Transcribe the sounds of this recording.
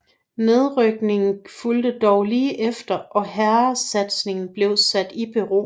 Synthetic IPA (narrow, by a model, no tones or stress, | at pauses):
ne̝ð̞ˠʁœɡ̥ne̝ŋn̩fuld̥əd̥ɒʊliːʔefd̥ɐʔɒ̽hæɐɐsæd̥sne̝ŋn̩b̥le̝ʊsæd̥ib̥yʁo̝̰ː